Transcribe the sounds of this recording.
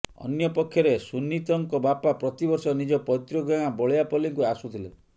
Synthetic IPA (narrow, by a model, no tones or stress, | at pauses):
ɔ̰njɔpɔkʰːjɔɾesunːit̪ɔŋkɔbapapɾɔt̪ibɔɾsɔnid͡ʒɔpɔt̪ɾɔɡaŋ̃abɔɭejapɔliŋkuasut̪ʰile